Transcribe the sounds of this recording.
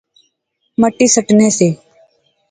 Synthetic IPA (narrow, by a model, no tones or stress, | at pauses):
məʈiːsəʈnẽːseː